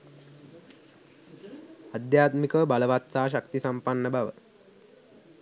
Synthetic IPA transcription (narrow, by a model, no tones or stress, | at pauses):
ad̪jaːt̪mikəʋəbaləʋat̪saːʃakt̪isampanːəbaʋə